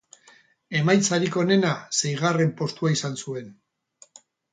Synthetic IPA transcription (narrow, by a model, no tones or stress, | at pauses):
e̞majt͡saɾiko̞ne̞nase̞jɣ̞are̞mpo̞st̪uaisansue̞n